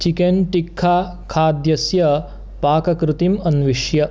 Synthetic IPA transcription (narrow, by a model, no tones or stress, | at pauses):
t͡ʃikenʈikʰːaː | kʰaːd̪jɐsjɐ | paːkɐkɾɪt̪imɐnʋiʂjɐ